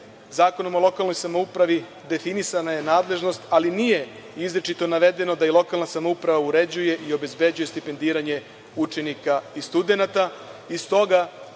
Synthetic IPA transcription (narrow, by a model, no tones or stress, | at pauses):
zaːko̞nomo̞lˠo̞kalˠno̞jsamoupɾaʋi | d̪e̞finisanaje̞naːd̪le̞ʒno̞st̪alinije̞ | izɾet͡ʃit̪o̞naʋe̞d̪e̞no̞d̪ailˠo̞kalnasamoupɾaʋauɾe̞d͡ʑuje̞ʔio̞be̞zbe̞d͡ʑuje̞st̪ipe̞nd̪iːɾaɲe̞ | ut͡ʃe̞nikaist̪ud̪e̞nat̪aist̪o̞ɡa